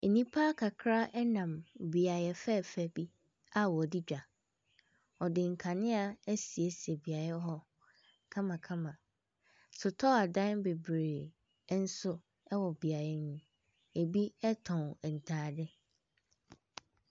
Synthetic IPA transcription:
e˨nĩ˦pʰa˦kʰa˨kʰɾa˦ʔɛ˦nã˨mbi˨a˨jɛ˨fɛ˦˨fɛ˦bi˦ | a˨wɔ˨dɪ˦d͡ʑᶣa˨ | ɔ˨dɪ˨ŋ̩˨kʰa˨nɪ̃˦a˨ɛ˦si˨e˦si˨e˨bi˨a˨ɾɛ˦ɦɔ˦ | kʰã˦mã˨kʰã˦mã˨ | sʊ˨tʰɔ˦a˨dã˦nbe˨bɾeː˨˦ | n̩˦sʊ˦ | ɛ˦wɔ˨bi˨a˨jɛ˨nũ˨ | e˨bi˦ɛ˦tʰɔ̃˨nɛ˨n̩˨tʰaː˨dɪ˦

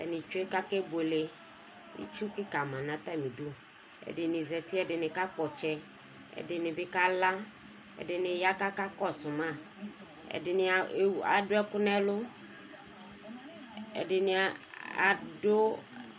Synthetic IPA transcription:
ɛ̰˨nɪ̃˨t͡ʃʊ˦e˦ka˦kɛ˦be˨le˦ | ḭ˦t͡ʃu˦kɪ˦ka˨mã˨nã˨t̪a˦mĩ˨do˦ | ɛ̰˨dɪ˨nɪ̃˨zɛ˨t̪i˦ɛ˨dɪ˨nɪ˨ka˦k͡pɔ˨t͡ʃɛ˦ | ɛ̰˨dɪ˨nɪ̃˨bɪ˦ka˦la˦ | ɛ̰˨dɪ˨nɪ˨ja˦ka˦ka˦kɔ˦sʊ˨mã˦˨ | ɛ̰˨dɪ˨nɪ˨a˨a̰˨dʊ˦ɛ˦kʊ˦nɛ˦lʊ˦ | ɛ̰˨dɪ˨nɪ˨a˨a̰˨dʊ˦

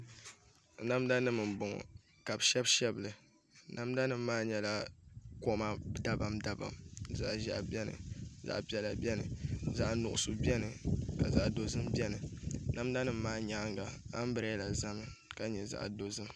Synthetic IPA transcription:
na˦mda˦nɨ˦mɨ˨m˨bʊ˨ŋɔ̰˨ | ka˨bʃɛ˦bʃɛ˦bɨ˨lɨ˨ | na˦mda˦nɨ˦m˦maː˦ɲɛ˦la˦ko˦ma˦da˦ba˨mda˦ba̰˨mza̰˦ʔʒa̰˦ʔbɛ˦nɨ̰˨za̰˦ʔpi˦ɛ˨la˨bʲɛ˦nɨ̰˨za˦ʔnʊ˨ʔʊ˨sʊ˨bɛ˦nɨ˨ka˨za˨ʔdo˨zɨ˦mbɛ˦nɨ˨na˦m˦da˦nɨ˦m˦maː˦ɲa˦ŋɡa˨a˦m˦bɨ˨ɾa˦la˨za˦mɨ˦ | ka˦ɲɛ˨za̰˦ʔdo˨zɨ˦m

